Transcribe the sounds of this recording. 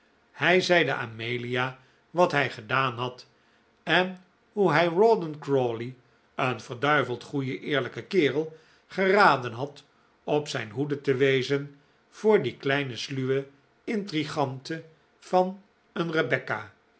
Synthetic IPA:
hɛjzɛjdə̰ʔa̰ːmejlia | ʋɑtɦɛjχədaːnɦɑt | ɛn | ɦuɦɛjrɔdənkɹoli | ənvəɹdœɥvəlˠtχujəʔɪːɹləkəkɪːʁəlˠ | χəraːdənɦɑt | ɔpsɛjnɦudətəʋejzən | v̥ʊːɹdiklɛjnəslyʋə | ɪntriχɑntə | v̥ɑn | ənrəbɛka

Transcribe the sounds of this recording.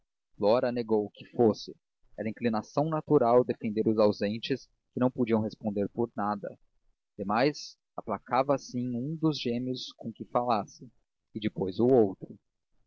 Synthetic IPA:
flɔɾɐneɡowkɪ̥fosɪ | ɛɾɐĩŋklinasɐ̃w̃nat̪uɾawd̪efẽnd̪eɾʊzawzẽnt͡ʃɪs | kɪnɐ̃w̃pod͡ʒiɐ̃w̃ɦhespõnd̪eɾpoɾnad̪ɐ̰ | d̪̥emajz | aplakavɐsĩũd̪ʊzʒẽmiʊskõkɪfalasɪ | ɪd͡ʒɪpojzʊowt̪ɾʊ

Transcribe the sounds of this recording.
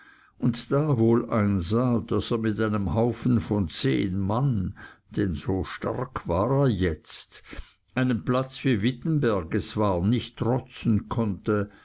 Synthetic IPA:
ʔʊntd̥aːvoːlʔaɪnzaːd̥aseːɐmɪtaɪnəmhaʊfn̩fɔnt͡sḛːnmand̥ɛnz̥oːʃta̰ʁkʰvaːʁeːɐjɛt͡st | ʔaɪnənplat͡sfyːɐvɪtn̩bɛɐɡət͡sv̥aːɐnɪçtːʁɔt͡sn̩kʰɔntə

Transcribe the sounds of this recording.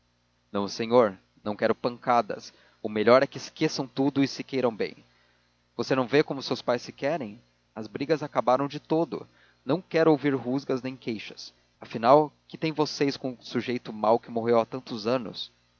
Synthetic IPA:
nɐ̃w̃sẽɲoɾ | nɐ̃w̃kɛɾʊpɐ̃kad̪ɐ̰s | ʊmeʎɔɾɛkɪskesɐ̃w̃t̪ud̪ʊɪsɪkejɾɐ̃w̃bḛ̃j̃ | vosenɐ̃w̃vekõmʊsewspajsːɪkɛɾẽj̃ | ɐzbɾiɡɐzakabaɾɐ̃w̃d͡ʒɪt̪od̪ʊ̰ | nɐ̃w̃kɛɾʊowviɾɦuzɡɐznẽj̃kejʃɐ̥s | ɐfinawkɪt̪ẽj̃vosejskõsuʒejt̪ʊmawkɪmoɦewat̪ɐ̃nt̪ʊzɐ̃nʊ̰s

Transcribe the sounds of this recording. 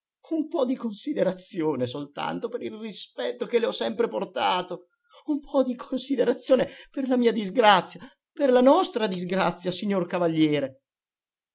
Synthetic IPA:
umpɔd̪ikonsid̪eɾat̪sjoːnesolt̪a̰nt̪opeɾilrispɛt̪ːokeleɔsːɛmpɾeport̪aːt̪o | umpʰɔd̪ikʰonsid̪eɾat̪sːjoːneperlamiːad̪izɡɾat̪sːja | perlanɔst̪ɾad̪izɡɾat̪sːjasiɲːorkavaʎːɛːɾe

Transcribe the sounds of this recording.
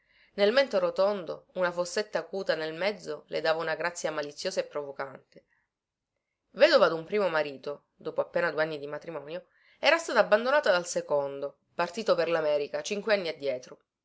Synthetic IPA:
nelmɛnt̪oɾot̪ond̪o̰unafosːet̪ːaːkuːt̪anelmɛd̪zːolʔḛd̪aːvaunaɡɾat̪sːjamalit̪sːjoːzaepːɾovokant̪e | vɛːd̪ovad̪umpɾiːmomaɾiːt̪o | d̪oːpoapːeːnad̪ueanːid̪imat̪ɾimɔːnjo | ɛːɾast̪aːt̪aːbːand̪onaːt̪ad̪alsekond̪o | part̪iːt̪operlamɛːɾikat͡ʃiŋkweanːiad̪ːjɛːt̪ɾo

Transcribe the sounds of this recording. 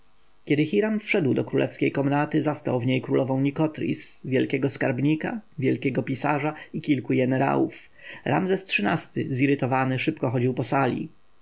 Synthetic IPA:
kʲɛd̪ɘxiɾamfʂɛd̪wd̪ɔkɾulʔɛ̰fskʲejkɔmnat̪ɘzast̪a̰wvɲejkɾulɔvɔ̃w̃ɲikɔt̪ɾʲḭsvʲjɛlkʲɛɡɔskaɾbɲika̰vʲjɛlkʲɛɡɔpʲisaʐaikʲilkujɡɛnɛɾa̰wṵf | ɾʔa̰mzɛstʂɘnast̪ɘ̰ziɾɘt̪ɔvanɘʂɘpkɔxɔd͡ʑiwpɔsalʲḭ

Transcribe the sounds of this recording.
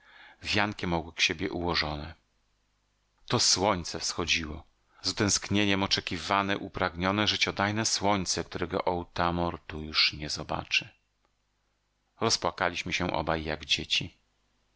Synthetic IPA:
vʲjaŋkʲɛmɔɡwɛkɕebʲjɛʔuwɔʐɔnɛ | t̪ɔswɔɲt̪sɛfsxɔd͡ʑiwɔ | zut̪ɛ̃w̃skɲeɲɛmɔt͡ʂɛkʲivanɛʔupɾaɡɲɔnɛʐɘt͡ɕɔd̪ajnɛswɔɲt̪sɛkt̪uɾɛɡɔ̰ʔɔwt̪amɔɾt̪ujuʂɲɛzɔba̰t͡ʂɘ | ɾɔspwakalʲiɕmɘɕɛʔɔ̰bajːaɡd͡ʑet͡ɕi

